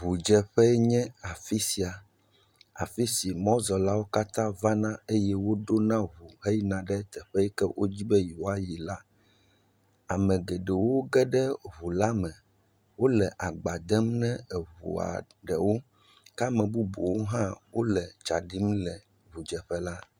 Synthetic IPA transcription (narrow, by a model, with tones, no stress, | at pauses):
u˨d͡ʒɛ˦ɸɛ˦ɲɛ̃˦a˨fi˦si˨a˨ | a̰˨fi˦si˨mɔ̃˦zɔ˨la˦wo˦ka˦t̪ã˦va˦nã˦e˦jɛ˦wo˦ɖo˦nã˦βu˨ɦe˦jnã˨ɖɛ˦t̪ɛ˨ɸɛ˦ɛ˦kɛ˦wʔo˦d͡ʑi˦bɛ˦ju˨a˦ji˨la˦ | a˨mɛ̃˨ɡɛ˨ɖɛ˨wo˦ɡɛ˦ɖɛ˦βu˨la˦mɛ̃˨ | wo˦lɛ˨ʔa˨ɡ͡ba˨d̪ɛ˦mnɛ̃˦ɛ˨βṵ˨a̰˨ | ɖɛ̰˨wo˦ | ka˦mɛ̃˨bu˦bu˨wo˦ɦã˦wo˦lɛ˨d͡ʒa˨ɖi˦mlɛ˨ | βu˨d͡ʒɛ˨ɸɛ˦la˦